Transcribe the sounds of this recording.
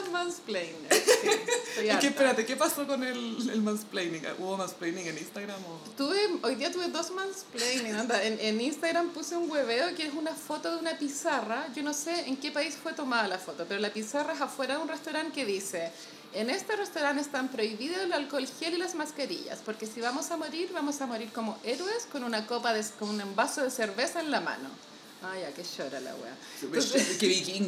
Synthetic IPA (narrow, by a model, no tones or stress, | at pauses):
mansplejn | kep̪peɾat̪ekepasokonelelmansplejniŋa̰ʔuβomansplejniŋeninst̪aɣɾamo | t̪uβeojðiat̪uβeðosmansplejniŋand̪aenʔeninst̪aɣɾampuseuŋɡweβeokeɾesunafo̞t̪oðeunapisaraʝo̞noseeŋkepaisfwet̪o̞maðalafo̞t̪ope̞ɾolapisaraesafwe̞ɾaðeunrest̪awɾaŋkeðiseː | nest̪erest̪awɾanest̪ampɾo̞iβiðolalkolçjelilazmaskaɾḭʝa̰spoɾkesiβamo̞samo̞ɾiɾβamo̞samo̞ɾiɾkomoʔeɾweskonunakopaðekonunembasoðeseɾβesaenlama̰no̞̰ | ajakeʃoɾa̰la̰wḛa̰ | osekek